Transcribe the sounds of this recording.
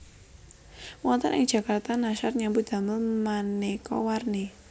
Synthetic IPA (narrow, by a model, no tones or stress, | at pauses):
wɔnt̪ə̰nɪ̰ŋ̥ʒ̥ä̤kart̪anaʃat̪ɲambud̪̥a̤məlmanekɔ̰warne